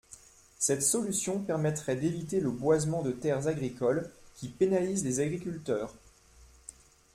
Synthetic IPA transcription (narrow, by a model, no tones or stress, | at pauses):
sɛt̪sɔlysjɔ̃pɛʁmɛt̪χɛd̪evit̪eləbwazmɑ̃d̪ət̪ɛʁzaɡʁikɔlkʲipenalizlezaɡʁikʲylt̪œːʁ